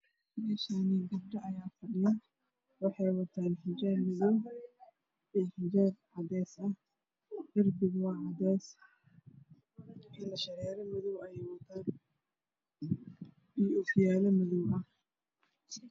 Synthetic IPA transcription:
mɛːʃaːniɡɐb̚ɖɐɐjaːfɐɖɪjɐ | wɑħɑjwɐt̪ʰaːnhɪd͡ʒɛːrmɪðʊw | ʔɛːhɪd͡ʒɛːrʕɑd̪ɛːsɐ | hɪrbɪɡwɑːʕɑd̪ɛːs | ʔɪlɐʃɐɾɛːɾɐmɪðʊwɐjɛjwɐt̪ʰaːn | iːɔfɪjaːlɐmɪðʊwɐh

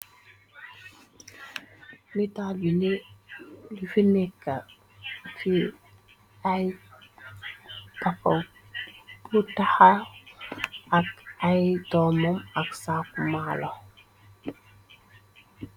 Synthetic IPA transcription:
mitabine | lifinɛkːa | fi | aj | tapɔ | butaha | akajtɔmɔmaksakumalɔ

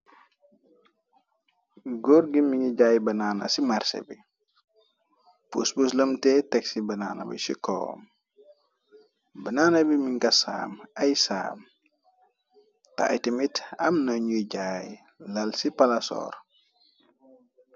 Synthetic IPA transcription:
ɡoɾɡimiŋiɟaːjbɐnaːnɐ̰simarsḛbi | pusbusləmtɛtɛksibɐnaːnɐ̰bḭsḭkɔ̰ːm | bɐnaːnɐbimiŋkɐsa̰ːmɐjsa̰ːm | ta̰jtimitɐmnɐɲuɟaːj | lɐlsipɐlɐsɔ̰ːr

